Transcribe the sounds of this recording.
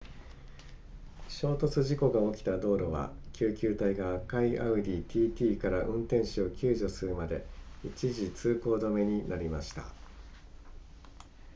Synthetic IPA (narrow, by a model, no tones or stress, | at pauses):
ɕo̞ːt̪o̞t͡sɨʑiko̞ɡao̞kʲi̥t̪ad̪o̞ːɾo̞β̞a̰kʲʰɨːkʲɨːt̪aiɡaːkaiʔaɯ̟d̪ʲiːt̪ʲiːt̪ʲiːkaɾaʔɯ̟̃nt̪ẽ̞ɰ̃ɕio̞kʲɨːʑo̞sɨɾɯ̟mad̪e̞̰it͡ɕiʑit͡sɨːko̞ːd̪ome̞ɲ̟inʔaɾʲimaɕi̥t̪a̰